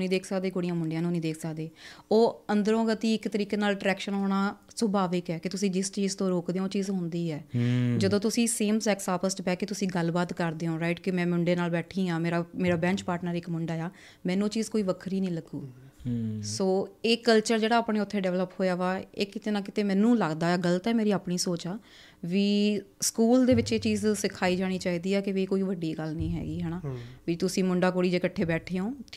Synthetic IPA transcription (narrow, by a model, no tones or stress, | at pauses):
nĩːd̪eːkʰsəkd̪eːkoɽɪijãːmʊɳɖejãːnũːnĩːd̪eːkʰsəkd̪eːoːənd̪əɾõːɡət̪iːɪkt̪əɾiːkeːnaːlʈɾɛːkʃənɦoːɽ̃aː | səbʱaːʋɪkɛːkɪt̪ʊsĩːd͡ʒɪst͡ʃiːzt̪õːɾoːkd̪eːõːt͡ʃiːzɦʊ̃nd̪iːɛːd͡ʒəd̪õːt̪̬ʊsĩːseːmsɛːksaːpəsʈbɛːkːet̪ʊsĩːɡəlbaːt̪kəɾd̪eːõːɾaɪʈkɪmɛ̃ːmʊɳɖeːnaːlbɛːʈʰiːãːmeːɾaːmeːɾaːbɛ̃ːt͡ʃpaːɾʈnəɾɪkmʊɳɖaːjaː | mɛ̃ːnũːt͡ʃiːzkoːiːʋəkʰɾiːnə̃ĩːləɡuː | soːeːkəlt͡ʃəɾd͡ʒeːɽaːaːpɳeːʊt̪ʰːeːɖɛːʋləphoːjaːʋaːḛːkɪt̪eːnãːkɪt̪eːmɛ̃ːnũːləɡd̪aːɛːɡələt̪ɛːmeːɾiːaːpɳiːsoːt͡ʃaː | ʋiːskuːld̪eːʋɪt͡ʃeːt͡ʃiːzsɪkʰːaːiːd͡ʒaːɽ̃iːt͡ʃaːiːd̪iːɛːkɪʋiːkoːiːʋəɖːiːɡəlnĩːɦɛ̰ːɡiːɦɛːnaːʋiːt̪ʊsĩːmʊɳɖaːkoːɽiːd͡ʒeːkəʈʰːeːbɛːʈʰeːõː